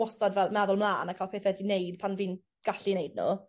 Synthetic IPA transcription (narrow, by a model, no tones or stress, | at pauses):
ɔstadvɛlˠmɛðʊlˠmlaːnakʰaːlpʰeːθɛdinejd̥pʰanviːn | ɡ̥aɬinejd̚nṵ